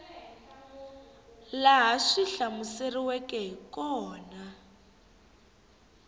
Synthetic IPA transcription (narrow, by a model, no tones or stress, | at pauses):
laɦaʂiɬamuseriwɛkɛɦikɔːna